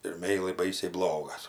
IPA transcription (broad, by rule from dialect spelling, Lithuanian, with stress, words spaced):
ɪr ˈmʲɛɪlˠɐɪ ˈbɐɪsʲɛɪ ˈblˠoːɡɐs